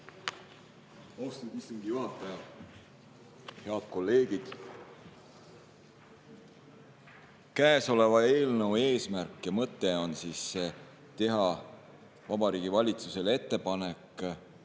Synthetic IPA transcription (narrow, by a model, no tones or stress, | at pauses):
owst̪ɑnd̪ist̪oŋɡ̥iyɑpːæjɑv | he̞ɑd̪̥̚ko̞lːe̞ːɡ̥id̪̥ | kæeso̞le̞vɑe̞ːlnəwe̞ːsmærkːˑjɑmɤt̪ːe̞o̞nsiːsːe | t̪e̞ɦɑ | vɑbɑɾiːɡ̥ivɑlʲit̪suse̞le̞t̪ːe̞pɑne̞k